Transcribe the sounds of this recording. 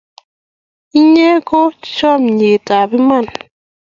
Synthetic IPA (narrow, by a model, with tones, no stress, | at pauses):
i˦ɲɛ˦ko˦t͡ʃɔ˦˨m˨ɲe˨ta˨bi˦ma˦˨n